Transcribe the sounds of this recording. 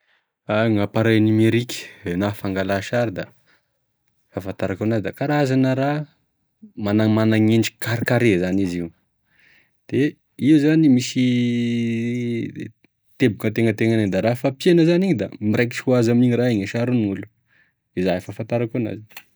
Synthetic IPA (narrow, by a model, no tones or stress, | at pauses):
aŋapaɾanimeɾikʲə̥enafaŋɡalaʃaɾid̪a | fafant̪aɾakonazid̪akaɾaazanəɾa | manamanaŋeɳɖ͡ʐi̥kaɾikaɾezaniziw | d̪̥e | iuzanimisi | t̪ebukət̪eŋət̪eŋaneɲd̪aɾafapjenəzaniɲid̪amiɾek̬i̥ʈ͡ʂikuazamiɲiraeɲəʃaɾuniŋulu̥ | izaifafant̪aɾakona̰zi